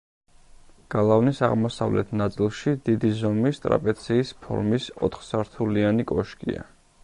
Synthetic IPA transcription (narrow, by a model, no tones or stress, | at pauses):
ɡ̥alˠavnisaʁmɔsa̰vlɛt̪ʰnat̪sʼilˠʃid̪id̪izɔmist̪ʼɾa̰pʼɛt̪sʰiːspʰɔ̰ɾmisɔ̰t̪ʰχsaɾt̪ʰulianikʼɔʃkʼḭa̰